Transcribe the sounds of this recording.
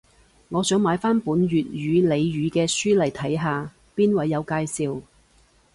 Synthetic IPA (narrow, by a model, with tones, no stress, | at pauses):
ŋɔː˨˧t͡sœː˨˥ŋmaː˨˧˥jfaː˥npuː˨˥nɥyː˨t̚jyː˨˧le˨˧jɥyː˨˧kɛː˧syː˥lɐ˨˩jt̪ʰɐ˨˥jɦaː˨ | piː˥nwɐ˨˧jːɐ˨˧wkaː˧jsiː˨˧w